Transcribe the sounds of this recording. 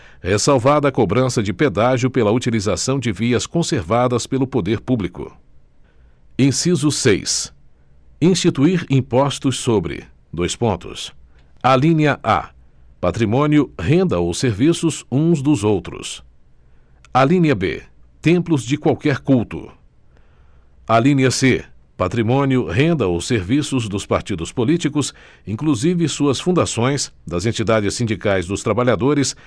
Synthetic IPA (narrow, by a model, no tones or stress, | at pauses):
hesawvad̪ɐːkobɾɐ̃sɐd͡ʒɪped̪aʒʊpelɐut͡ʃilizasɐ̃w̃d͡ʒɪviɐskõseɾvad̪ɐspelʊpod̪eɾpublikʊ̰ | ẽsizʊsejs | ĩst͡ʃit̪uiɾĩpɔst̪ʊsːobɾɪ̰ | d̪ojspõnt̪ʊ̰s | alĩniɐʔa̰ | pat̪ɾimõnjʊhẽnd̪ɐowseɾvisʊzũzd̪ʊzowt̪ɾʊ̰s | alĩniɐbḛt̪ẽmplʊzd͡ʒɪkwawkɛɾkuwt̪ʊ̰ | alĩniɐse | pat̪ɾimõniʊɦẽnd̪ɐʊseɾvisʊzd̪ʊspaɾt͡ʃid̪ʊspolit͡ʃikʊs | ĩŋkluzivɪsuɐsfũd̪asõj̃sd̪ɐzẽnt͡ʃid̪ad͡ʒɪsĩnd͡ʒikajzd̪ʊst̪ɾabaʎad̪oɾɪs